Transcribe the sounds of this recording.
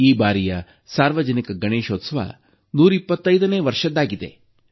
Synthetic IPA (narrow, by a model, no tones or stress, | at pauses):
iːbaːɾijɐ | saːɾʋɐd͡ʒɐnikɐɡɐɳeːʃoːt̪sɐʋɐ̰ | nuːɾipːɐt̪ːɐjd̪ɐneːʋɐɾʂɐd̪ːaːɡid̪e̞̰